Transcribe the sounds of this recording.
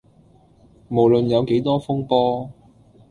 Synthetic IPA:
mo˨˩wlɵ˨njɐ˨˧wke˨˥jt̪ɔː˥fʊ˥ŋpɔː˥

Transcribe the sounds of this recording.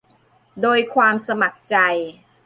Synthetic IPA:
doː˧jkʰwaː˧msa˧ma˨˩k̚t͡ɕa˧j

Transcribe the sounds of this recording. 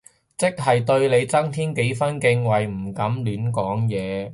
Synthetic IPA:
t͡sɪ˥k̚ɦɐ˨jt̪ɵ˧ɥle˨˧jt͡sɐ˥ŋt̪ʰiː˥nke˨˥jfɐ˥nkɪ˧ŋwɐ˨jm̩˨˩kɐ˨˥mlyː˨˥nkɔː˨˥ŋjɛː˨˧

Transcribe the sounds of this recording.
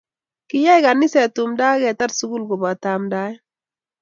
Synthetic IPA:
kɪ˦ja˦jka˨ni˦sɛ˨tu˨mda˦kɛ˨ta˦tsu˦ɡu˦lɡo˨ba˨ta˨mda˦

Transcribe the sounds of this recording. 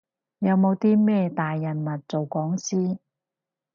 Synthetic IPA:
jɐ˨˧wmo˨˧wt̪iː˥mɛː˥˩t̪aː˨jːɐ˨˩nmɐ˨˩t̚t͡so˨wkɔː˨˥ŋsiː˥

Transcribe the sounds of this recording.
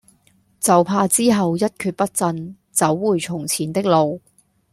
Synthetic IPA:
t͡sɐ˨˩wpʰaː˧t͡siː˥ɦɐ˨wjɐ˥t̚kʰyː˧t̚pɐ˥t̚t͡sɐ˧n | t͡sɐ˨˥wːuː˨˩jt͡sʰʊ˨˩ŋt͡sʰiː˨˩nt̪ɪ˥k̚lo˨w

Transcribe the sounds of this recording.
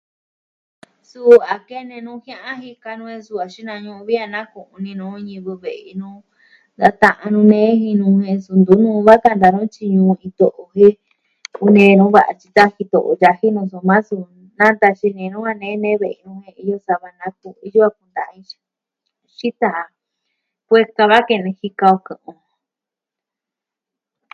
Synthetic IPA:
su˦a˨ke˦nẽ˧nũ˧˦hj̃ã˦ʔã˦hi˧ka˧nũ˧ẽ˧su˧a˨ʃi˦nã˧ɲũ˧βi˦a˧nã˦kũ˨ʔũ˧nĩ˧nũː˧ɲĩ˧βu˧βe˨ʔi˧nũː˦ | nd̪a˧t̪ã˧ʔa˧nũ˧nẽ˦ɦĩ˧nũ˧hẽ˧su˧nd̪u˨˦nũ˦˧βa˦ka˧nd̪a˧nũ˦t͡ʃi˧ɲũ˧ĩ˧t̪o˧˨ʔo˧ɦẽ˦ | u˧nẽ˧nũ˦βa˨ʔa̰˧t͡ʃi˧t̪a˦hi˧t̪o̰˧˨ʔo̰˧ja˧hi˦nũ˧s̬o˧mã˦su˧ | nã˦nd̪a˧ʃi˧nẽ˧nũ˦ha˧nẽ˦nẽ˦βe˨˧nũ˧hẽ˧i˧jo˧sa˧βa˧nã˧˦ku˧i˧ju˦a˧ku˧nd̪a˨˧ĩ˧ʃḁ˧ | ʃi˦t̪a˨˧ | kʷe˧ka˧βa˦ke˧nĩ˧hi˧ka˧o˧kɨ̃˧ʔõ˧

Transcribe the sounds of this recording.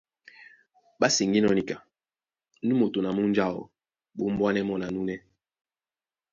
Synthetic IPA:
ba˦si˨ŋɡi˦nɔ˦ni˦ka˨ | ni˦mo˨to˨na˨mu˦n˦d͡ʒa˦˨wɔ̰˨ | ɓo˦m˦bwa˦nɛ˦mɔ˨na˨nu˦nɛ˦

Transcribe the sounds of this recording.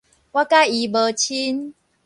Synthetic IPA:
wa˦ka˦˥˨ji˨˧˦bə˨˧˦t͡ɕʰi˦n

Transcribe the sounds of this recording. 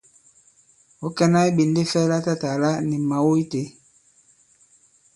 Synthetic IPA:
o˦kɛ˦na˦i˦ɓi˨n˦de˦fɛ˦la˦ta˦ta˨la˦ni˨ma˨wo˦i˦te˨˦

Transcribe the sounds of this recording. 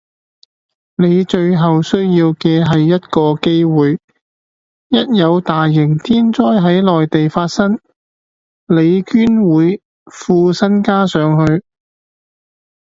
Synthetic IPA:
ne˨˧jt͡ʃɵ˧ɥɦɐ˨wsɵ˥ɥjiː˧wkɛː˧ɦɐ˨jːɐ˥t̚kɔː˧ke˥jwuː˨j | jɐ˥t̚jɐ˨˧wt̪aː˨jːɪ˨˩ŋt̪ʰiː˥nt͡sɔː˥jɦɐ˨˥jlɔː˨jt̪e˨jfaː˧t̚sɐ˥ŋ | le˨˧jkyː˥nwuː˨˧j | fuː˧sɐ˥nkaː˥sœː˨˧ŋhɵ˧ɥ

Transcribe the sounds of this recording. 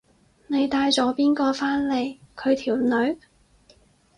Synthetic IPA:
ne˨˧jt̪aː˧jt͡sɔː˨˥piː˥nkɔː˧faː˥nle˨˧jkʰɵ˨˧ɥt̪ʰiː˨˩wnɵ˨˥ɥ

